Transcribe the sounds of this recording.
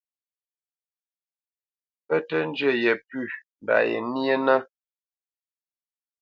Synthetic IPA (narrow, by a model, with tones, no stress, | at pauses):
pə˦tə˦n˦d͡ʒə˦˨jɛ˨pʉ˦˨m˨da̰˨jɛ̰˨nje˦nə˦